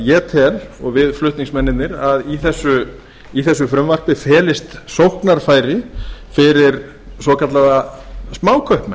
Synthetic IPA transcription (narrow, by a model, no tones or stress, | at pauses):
jɛːt̪ʰɛlɔ̰ɣvɪðflʏht̪niŋksmɛnːɪnt̪nɪɾaðiθɛsːʏ | iθɛs̬ːʏfɾʏmvar̥pɪfɛːlɪst̪sowhknaɾ̥faːjɾɪfɪɾɪɾ | sɔkat̪laðasmaːwkʰœhpmɛ